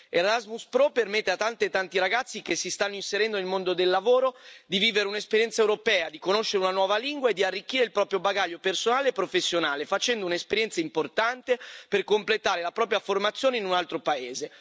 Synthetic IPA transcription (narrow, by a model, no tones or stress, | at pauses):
eɾazmuspɾɔpermet̪ːeat̪ːant̪et̪ːant̪iɾaɡat̪sːik̟esːist̪anːoinseɾɛnd̪onelmond̪od̪elːavoːɾod̪iviːveɾeunespeɾjɛnt̪saewɾopɛːad̪ikonoʃːeɾeunanwɔːvaliŋɡwaed̪ːiarːikːiːɾeilpɾɔːpɾjobaɡaʎːopersonaːleːpːɾofesːjonaːlefat͡ʃɛnd̪ounespeɾjɛnt̪saimport̪ant̪eperkomplet̪aːɾelapɾɔːpɾjaformat̪sːjoːneinunalt̪ɾopaeːze